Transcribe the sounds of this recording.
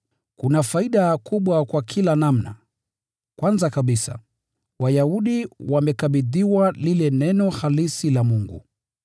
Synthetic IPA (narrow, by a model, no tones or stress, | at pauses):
kunafaiɗakuɓwakwakʰilanam̩na̰ | kwanzakaɓisa̰ | wajauɗiwamɛkaɓiðiwalilɛnɛnɔhalisilamuŋɡṵ